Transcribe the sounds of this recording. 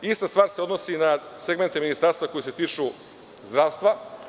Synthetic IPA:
ist̪ast̪ʋaːɾseo̞d̪nosinaseɡment̪eminist̪aɾst̪vako̞jise̞t̪iːt͡ʃu | zd̪ɾaːʋst̪ʋa

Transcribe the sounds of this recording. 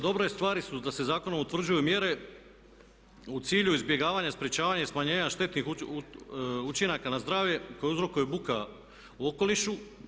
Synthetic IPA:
d̪o̞bɾo̞jest̪ʋaːɾisud̪ase̞zaːko̞no̞mut̪ʋr̩d͡ʑujumje̞ɾe̞ | ut̪siːʎuizbje̞ɡaːʋaɲaspɾje̞t͡ʃaːʋaɲasmaɲe̞ːɲaʃt̪e̞t̪nix | ut͡ʃinakanazd̪ɾaːʋjeko̞jeuzɾo̞kujubuka | uoko̞liʃu

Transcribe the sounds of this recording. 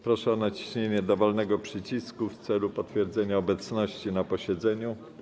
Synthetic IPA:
pɾɔʂɛɔnat͡ɕi̥ɕɲeɲɛd̪ɔvɔlnɛɡɔpʂɘt͡ɕiskuft̪sɛlupɔt̪fʲjɛɾd̪zɛɲaɔbɛt̪snɔɕt͡ɕinapɔɕɛd̪zɛɲu

